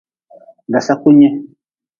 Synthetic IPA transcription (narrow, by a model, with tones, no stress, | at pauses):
da˨sa˦ku˦ɲɛ˦